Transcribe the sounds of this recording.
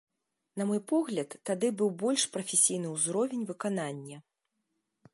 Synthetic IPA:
nɐmɔjpɔɣlʲɐt̪ːad̪ɨbɨwbɔlʲʂpɾɐfʲesʲijn̪ɨuzɾɔvʲenʲvɨkananʲːɐ

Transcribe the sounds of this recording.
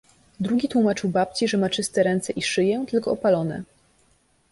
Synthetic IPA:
d̪ɾuɡʲit̪wumat͡ʂɘwbap̚t͡ɕiʐɛmat͡ʂɘst̪ɛɾɛnt̪sɛʔiʂɘjɛt̪ɘlkɔɔpalɔnɛ̰

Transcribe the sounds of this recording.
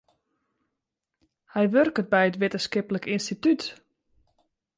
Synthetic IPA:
hɛjʋørkət̚bɛjətʋɪtəskɪpələkinstityt

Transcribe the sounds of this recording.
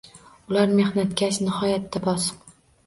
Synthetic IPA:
ʊlaɾme̞hnat̪kʲat͡ʃnɪhɒjat̪ːabɒsq

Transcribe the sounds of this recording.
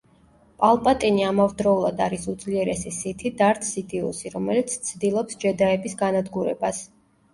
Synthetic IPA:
pʼalˠpʼat̪ʼiniamavd̪ɾɔulˠad̪aɾisud̪zliɛɾɛsisit̪ʰid̪aɾt̪ʰsit̪ʼiṵsiɾɔmɛlit̪sʰt̪sʰd̪ilˠɔpsd͡ʒɛd̪aɛbisɡanad̪ɡuɾɛ̰bas

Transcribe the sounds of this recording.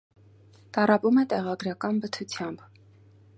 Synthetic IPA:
t̪ɑɾɑpumɛt̪ɛʁɑɡɾɑkɑnbət̪ʰut͡sʰjɑmb

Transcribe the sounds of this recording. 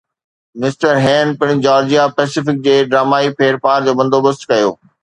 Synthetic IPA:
mɪsʈəɾɦɛ̃ːnpɪɽ̃d͡ʑaːɾd͡ʑijapɛːsɪfɪk̚d͡ʑeːɖɾaːmaːipʰeːɾpaːɾd͡ʑoːbɐ̃nd̪oːbəst̪kɐjoː

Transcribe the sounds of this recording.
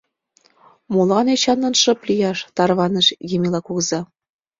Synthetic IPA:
molɑnet͡ɕɑnːɤ̆nʃɤ̆plijɑʃt̪ɑrβɑnəʃjimilɑkuɣəzɑ

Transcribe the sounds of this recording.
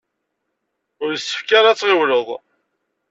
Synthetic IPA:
ʊɾəsːə̥fkaɾat͡sːʁɪwləðˤ

